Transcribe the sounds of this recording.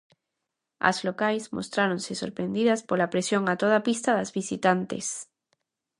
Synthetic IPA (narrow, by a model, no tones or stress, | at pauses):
ɐ̰zlokajsmo̰st̪ɾaɾonsɪso̰ɾpɾẽnd̪iðɐspolapɾesjoŋat̪oð̞apist̪aðazβisit̪ant̪ḛs